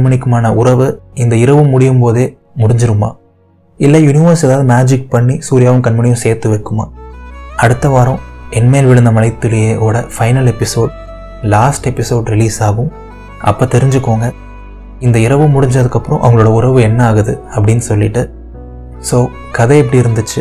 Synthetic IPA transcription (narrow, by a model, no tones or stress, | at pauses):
ɐbɐnɪkːɯmaːnɐʔʊɾɐʋɯɪnd̪ɐɪɾɐʋɯmʊɽɪjɯmpoːðeː | mʊɽɪɲd͡ʒɪɾɯma̰ː | ɪlːɐjʊnɪʋɐɾsɛðaːʋɯðɯmaːd͡ʒɪk̚pɐɳːisuːɾɪjaːʋɐnkɐnbɐnɪjʊ̃seːɾt̪ːɯʋɐɪkːɯma̰ːɐɽɯt̪ːɐʋaːɾʊ̃ɛnmeːlʋɪɻɯnd̪ɐmɐlɐɪt̪ːɯlɐjeːʔoːɽɐfɐɪnɐlɛpːɪsoːɖ | laːsʈɛpːɪsoːɖɾɪliːsaːɣɯ̃m | ʔɐ̰pːoːt̪ɛɾɪɲd͡ʒɯkːoːŋɡɐ | ɪnd̪ɐɪɾɐʋɯmʊɽɪɲd͡ʒɐðɯkːɐpːɯɾɔ̃ʔɐʋɐŋɡɐɭoːɽɐʊɾɐʋɯɛnːɐaːɣɐðɯɐpːɐɽɪnːɯsɔlːɪʈːɯ | soː | kɐðɐɛp̬ːɐɽiɪɾɯnd̪ɯt͡ʃːɯ